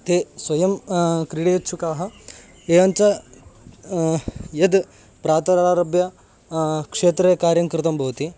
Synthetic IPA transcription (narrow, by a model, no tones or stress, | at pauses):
t̪eːsʋɐjɐmkɾiɽeːtːt͡ʃʰukaːɦɐ̆ | eːʋɐnt͡ʃɐ | jɐd̪ | pɾaːt̪ɐɾaːɾɐbjɐ | kʂeːt̪ɾekaːɾjɐŋkɾɪt̪ɐmbʱɐʋt̪i